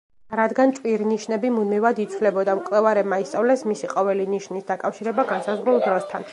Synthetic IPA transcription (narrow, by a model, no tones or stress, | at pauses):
ɾad̪ɡantt͡ʃ̪ʼviɾiniʃnɛbimud̪mivad̪it̪sʰlɛbɔd̪amkʼlɛvaɾɛbmaist̪ʼavlɛsmisiqʼɔvɛliniʃnisd̪akʼafʃiɾɛbaɡansazʁɾulˠd̪ɾɔst̪ʰan